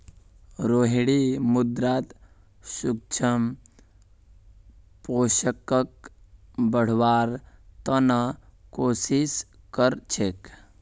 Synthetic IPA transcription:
ɾoːɦɽimud̪ɾaːt̪ | suk̚t͡ʃʰəm | poːʃəkək̚ | bəɽ̤waːɾt̪ənakoːsis | kəɾt͡ʃʰek

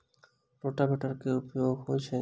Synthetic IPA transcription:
ɾoʈabeʈaɾkeupjoɡɦojt͡ɕʰe

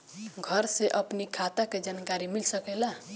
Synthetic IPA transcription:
ɡʱəɾseʔəpnikʰat̪aked͡ʒankaɾimilsəkɛla

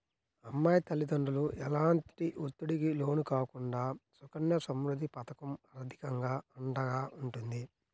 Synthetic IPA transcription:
ɐmːaːjt̪ɐlid̪ɐɳɖuluʔɛlaːɳʈʈiʔut̪ːuɽikilo̞ːnukaːkuɳɖaːsukɐɳjɐsɐmɾud̪ʱipɐt̪ɐkɐmɐɾɐd̪ʱikɐŋɡaːɐɳɖɐɡaːʔuɳʈund̪i

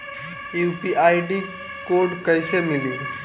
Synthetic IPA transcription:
jupiʔaːjɖi | koːɾɖkəɪsemɪli

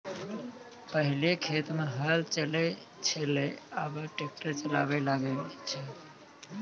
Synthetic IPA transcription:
pəɦɪlekʰet̪meɦəlt͡ʃəle | t͡ʃʰeleabəʈek̚ʈəɾt͡ʃəla̰belaɡet͡ʃʰe

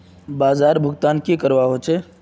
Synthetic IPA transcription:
baːzaːɾbʱʊɡt̪aːnkekəɾʋaɦot͡ʃʰeː

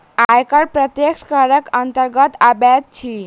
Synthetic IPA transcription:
ajkʌɾpɾʌt̪jekskʌɾəkʌnt̪əɾɡʌt̪abad̪̚t͡ʃʰi

